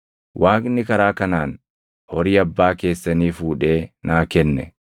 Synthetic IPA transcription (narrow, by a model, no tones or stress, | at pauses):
wʔaːkʼɪnːɪkɐɾaːkɐnaːn | hɔɾɪːɐbːaːke̞ːsːɐniːfuːᶑe̞ːnaːkɛnːɛ̰